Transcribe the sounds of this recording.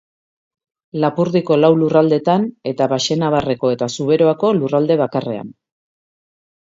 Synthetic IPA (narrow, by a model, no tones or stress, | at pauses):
lapuɾðiko̞lawlurald̪e̞t̪ane̞t̪aβaʃe̞naβare̞ko̞e̞t̪asuβ̞e̞ɾo̞ako̞lurald̪e̞β̞akare̞̰a̰n